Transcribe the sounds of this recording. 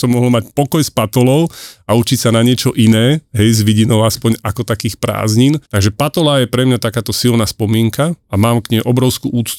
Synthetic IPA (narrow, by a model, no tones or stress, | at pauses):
sɔmːɔɦl̩macpɔkɔjspat̪ɔlɔʊaut͡ʃicsanaɲɪɛt͡ʃɔʔinɛːɦɛjzʋiɟinɔʊaspɔɲakɔt̪akiːxpɾa̰ːzɲint̪aɡʒɛpat̪ɔlajɛpɾɛmɲat̪akaːt̪ɔsilnaːspɔmɪɛŋkaamaːmkɲɛʔɔbɾɔʊskṵʔuːt͡st̪